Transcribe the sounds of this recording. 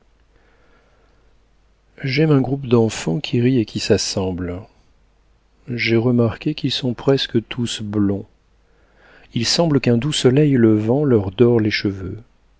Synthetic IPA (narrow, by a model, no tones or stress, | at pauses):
ʒɛmɛ̃ɡʁupd̪ɑ̃fɑ̃kʲʰiʁiekʲisasɑ̃bl | ʒeʁəmaʁkʲekilsɔ̃pχɛskət̪ʰusblɔ̃ | ilsɑ̃bləkɛ̃d̪usɔlɛjləvɑ̃lœʁd̪ɔʁleʃəvø